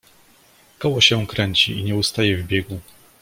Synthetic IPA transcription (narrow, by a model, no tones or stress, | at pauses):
kɔwɔɕɛkɾɛɲt͡ɕiiɲɛust̪ajɛvbʲjɛɡu